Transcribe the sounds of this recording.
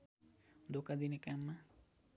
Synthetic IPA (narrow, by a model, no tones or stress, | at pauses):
d̪okad̪inikamːa